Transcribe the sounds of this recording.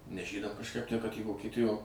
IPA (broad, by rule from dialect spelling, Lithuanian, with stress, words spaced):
nʲɛs ˈʒʲiːdɐm kɐʃˈkɐɪp tʲæː kɐt iː ʋoːkʲiɛˈtʲɪjoː